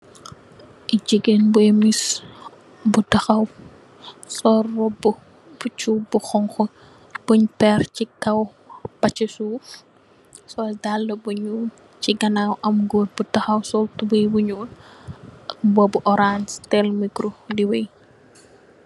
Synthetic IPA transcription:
ʔid͡ʒiɡenbuemis | butɐxɐw | sɔrɔb | b̥ut͡ʃuːbuxɔŋxɔ | b̥uɲpɛrcikɐw | pɐt͡ʃisuː | sɔldalːəbuɲuːn | t͡ʃiɡɐnawʔɐmɡoːt̚butɐxɐwsɔltubijbuɲuːl | bɔbuʔɔɾanstɛlmikɾudiwɛj

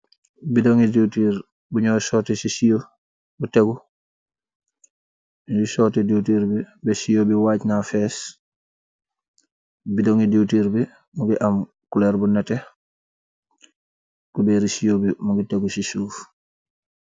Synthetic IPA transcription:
bidoŋidiwtiːɾ | buɲɔːsɔtesisijo | buteɡu | d͡ʒusɔːtedewtiːɾbibɛsijobiwaːcnafɛs | bidoŋidiwtiːɾbi | muɡiʔam | kulɛɾbunɛtɛ | kubɛɾisijobimuɡiteɡusisuːf

